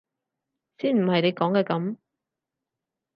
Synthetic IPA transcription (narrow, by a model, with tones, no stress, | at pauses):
siː˥nm̩˨˩hɐ˨jne˨˧jkɔː˨˥ŋkɛː˧kɐ˨˥m